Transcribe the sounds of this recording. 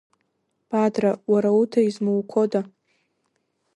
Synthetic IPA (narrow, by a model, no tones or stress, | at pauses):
b̥adrawaɾautʰaizmuwkʷʰoda